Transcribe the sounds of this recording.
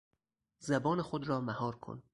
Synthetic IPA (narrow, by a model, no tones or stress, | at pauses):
zæbɒːnexod̪ɾɒːmæhɒːɾkʰo̰n